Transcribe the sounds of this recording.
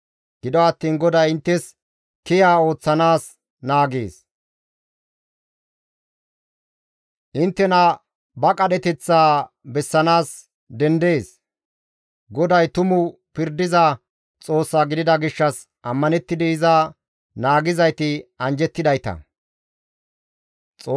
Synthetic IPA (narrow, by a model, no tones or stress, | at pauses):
ɡ̥ɪd̪ɔɐt̪ːiːnɡɔd̪ɐjɪnt̪ːɛs | kɪjaːo̞ːt͡sːɐnaːs | naːɡeːs | ʔɪnt̪ːɛnɐ | bɐkʼɐd̪ɛt̪ɛt͡sːaː | bɛsːɐnaːs | d̪ɛnd̪e̞ːs | ɡɔd̪ɐjt̪ʊmʊ | pɪɾd̪ɪza | t͡sʼo̞ːsːaːɡɪd̪ɪd̪ɐɡɪʃːɐs | ʔɐmːɐnɛt̪ːɪd̪ɪɪza | naːɡɪzɐjt̪ɪɐnd͡ʒɛt̪ːɪd̪ɐjt̪ɐ̰ | t͡sʼː